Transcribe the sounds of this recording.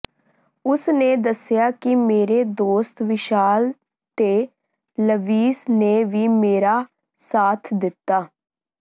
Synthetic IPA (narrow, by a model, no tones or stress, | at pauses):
ʊsneːd̪əsjaːkɪmeːɾeːd̪oːst̪ʋɪʃaːl | t̪eː | ləʋiːsneːʋiːmeːɾaː | saːt̪ʰd̪ɪt̪ːaː